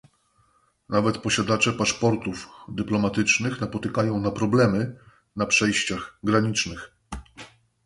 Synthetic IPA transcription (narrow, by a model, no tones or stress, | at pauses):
navɛt̪pɔɕad̪at͡ʂɛpaʂpɔɾt̪ufd̪ɘplɔmat̪ɘt͡ʂnɘxnapɔt̪ɘkajɔ̃w̃napɾɔblɛmɘ | napʂɛjɕt͡ɕaɣɡɾaɲit͡ʂnɘx